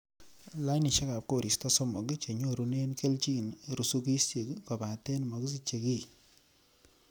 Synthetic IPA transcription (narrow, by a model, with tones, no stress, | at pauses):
la˦jni˨ʃe˦ka˨p̚ko˨ɾi˨stɔ˦sɔ˦mo˨ki˦t͡ʃe˨ɲo˦ɾu˦ne˦nke˦lt͡ʃi˦nɾu˨su˦ki˦sje˨kkɔ˨ba˨te˦nmo˨ki˦s̬i˦t͡ʃe˨ki˦